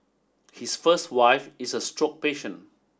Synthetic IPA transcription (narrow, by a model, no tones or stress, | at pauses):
hisfəstwaɪfisəstɹɔk̚peʃə̃n